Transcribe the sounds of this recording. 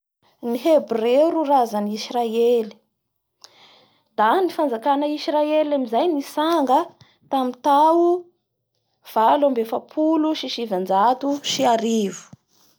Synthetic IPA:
niɦebreɾurazənisraeli̥ | d̪̥anifand͡zakanəisraelamizajnisaŋɡə | t̪amit̪au | v̥alambefapʰuluʃiʃivand͡zat̪uʃiaɾivu̥

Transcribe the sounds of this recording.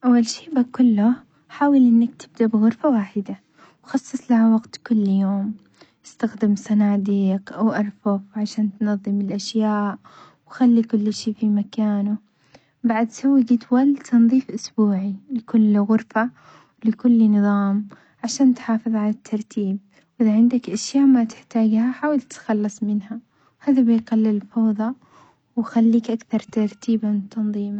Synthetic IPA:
ʔawːalʃiːʔbakːʊlːʊ | ħaːwalʔɪnːak̚t̪ɪb̚d̪aʔbɪɣʊɾfawaːħɪd̪a | wxɑsˤːɨsˤlaʕwaɡt̪kʊlːjoːm | ʔɪst̪axd̪ɪmsˤɑnaːd̪iːqʔawʔɑɾˤfʊfʕaʃaːnt̪nɑðˤːɨmɪlʔaʃjaːʔ | wxalːikʊlːʃiːfimakaːnʊ | baʕad̪sawːiɡɪt̪walt̪ʰɑnðˤiːfʔʊsbuːʕilɪkʊlːɣʊɾfa | wlɪkʊlːnɨðˤɑːm | ʕaʃaːnt̪ħɑːfɨðˤʕalat̪ʰːɑɾˤt̪ʰiːb̚ | wʔɪðaʕɪnd̪akʔaʃjaːʔmat̪ɪ̥ħt̪aːɡhaħaːwalt̪xɑlːɨsˤmɪnha | whaːðabɪjqalːɪlfɑwðˤɑ | wxalːiːkʔakθɑɾˤt̪ɑɾˤt̪iːbant̪ːɑnðˤiːma

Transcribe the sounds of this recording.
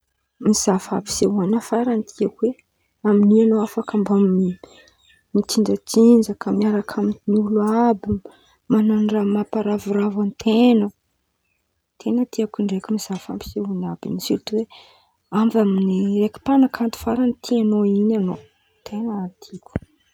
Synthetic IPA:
miz̥afa̰pi̥seɦuanafaɾanit̪ʰiakuwe | aminianoafakambamii | mit̪ind͡ʒat͡sind͡ʒakʰamiaɾakʰaminniuluabi | mananramapaɾaviɾavant̪ʰenə | t̪ʰenət̪iakuɳɖ͡ʐekumizafa̰mpi̥seunabḭnisilt̪uwe | amvaminireki̥panakʰant̪u̥faɾanit̪ʰianoinano | t̪ʰenat̪ʰiku̥

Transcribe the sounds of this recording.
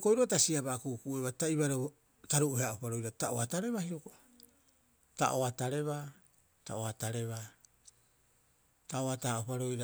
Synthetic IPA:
kojɾotasiabakukuʔeβataibaɾo | taɾuʔuheaʔopaɾo̞jɾatao̰ataɾe̞βahiɾoko | ta̰ʔo̞ataɾe̞βa | ta̰oataɾe̞βa | taoataaopaɾo̞jɾa

